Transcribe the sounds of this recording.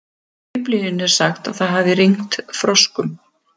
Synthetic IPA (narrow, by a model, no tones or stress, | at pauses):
ɪpliðɪnɛɾ̥saxt̪a̰ðθaðɦavðɪriŋt̪fɾɔskʏm